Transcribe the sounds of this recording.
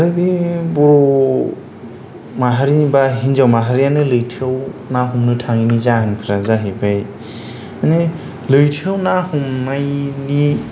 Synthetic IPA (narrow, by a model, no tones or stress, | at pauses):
aɾɯbibɔɾɔ | maɦaɾibaɦinzawmaɦaɾijanɯlɯjtʰiawnaɦumnɯtʰaŋinizaɦɯnkʰɯɾazaɦebaj | mane | lɯjtʰiawnahumnajni